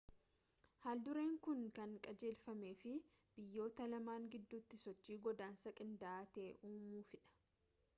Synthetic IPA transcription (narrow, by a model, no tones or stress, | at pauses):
haːld̪ʊɾeːŋkʊŋkɐŋkʼɐd͡ʒe̞ːlfɐme̞ːfɪ | b̥ɪjːo̞ːt̪ɐlɐmaːŋɡɪd̪ːuːt̪ːɪsɔt͡ʃːiːɡɔd̪aːnsɐkʼɪnd̪aaːt̪e̞ːʔuːmuːfɪᶑɐ̥